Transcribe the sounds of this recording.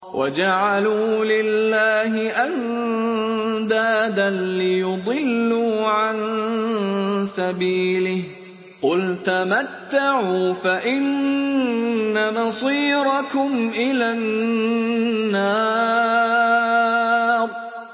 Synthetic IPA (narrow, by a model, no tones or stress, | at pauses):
wʔa̰d͡ʒaʕaluːlɪlːaːɦɪʔan | d̪aːd̪anlɪjʊd̪ˤɨlːuːʕan | sabiːlɪh | qʊlt̪amat̪ːaʕuːfaʔɪn | amɑsˤiːɾɑkʊmʔɪlan | ɑː | ɾˤ